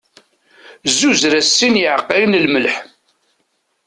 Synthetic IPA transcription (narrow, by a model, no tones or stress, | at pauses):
zːuzɾæsːinjəʕəqːinlməlħ